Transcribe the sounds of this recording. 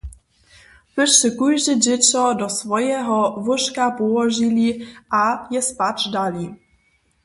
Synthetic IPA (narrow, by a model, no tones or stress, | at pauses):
pɪʃɛkujʒɪʒɪt͡sɔdɔsvɔjɛɦɔvɔʃkapɔwɔʒiliʔajɛspat͡ʃdali